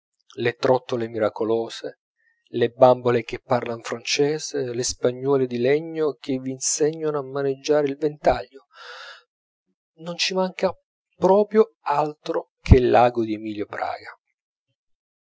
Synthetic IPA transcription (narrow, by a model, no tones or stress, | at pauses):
let̪ɾɔt̪ːolemiɾakolɔːse | lebambolek̟epːarlanfɾant͡ʃɛːzelespaɲːɔːlɪd̪ilɛɲːok̟evːiːnsɛɲːonamːaned͡ʒːaːɾeilvent̪aʎːo | nont͡ʃimaŋka | pɾɔːpɾjo | alt̪ɾo | kʰelːaːɡod̪iemiːljopɾa̰ːɡa